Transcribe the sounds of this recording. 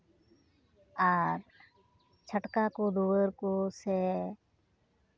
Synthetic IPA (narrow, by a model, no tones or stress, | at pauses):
aːɾ | t͡ʃʰəʈkaːkoːd̪oːəɾkoːseː